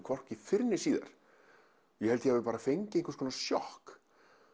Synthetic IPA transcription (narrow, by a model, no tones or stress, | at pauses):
kʰɔr̥cɪfɪɾnɪsiːða̰ɾ̥ | jɛhɛlt̪ɪɛvɪpaːɾafejɲcɪẽjŋkaskʰɔːnasjɔhk